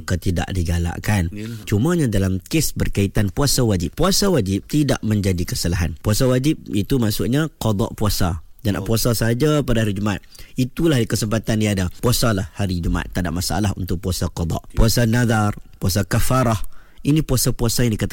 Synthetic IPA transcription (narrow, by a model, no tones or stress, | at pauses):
kət̪ida̰ʔdiɡala̰ʔkant͡ʃumãɲadalamkesbərkait̪anpuasawad͡ʒɪp̚puasawad͡ʒɪp̚t̪ida̰ʔmə̃ɲd͡ʒadikəsəlaɦanpuasawad͡ʒɪp̚it̪umasʊʔɲãqɔd̪ɔ̰ʔpuasad͡ʒana̰ʔpuasasaɦad͡ʒapadaɦaɾid͡ʒuma̰t̪̚it̪ulahdikəsəmpat̪andiadapuasalahhaɾid͡ʒuma̰t̪ːadaʔmasaʔa̰laɦunt̪ʊk̚puasaqɔd̪ˤɑ̰ʔpuasanãðarpuasakafaɾah | inĩpuasapuasajaŋdikat̪